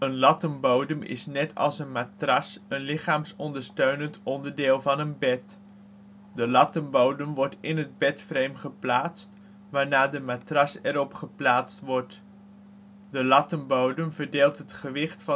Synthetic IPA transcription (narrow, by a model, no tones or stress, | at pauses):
ənlɑtənbowdəmɪ̰snɛtʰɑ̰lˠsənmaːtrɑsənlɪχaːmsɔndəɹstøɥnəntɔndəɹdɪːlˠvɑnənbɛt | dəlɑtəmbowdəmʋɔɹtɪnɦəd̚bɛtfrejmχəplaːtst | ʋaːɹnaːdəmaːtrɑsɛɾɔpχəplaːtstʋɔɹt | dəlɑtəmbowdəmvəɹdeːlˠtɦətχəʋɪχtfɑ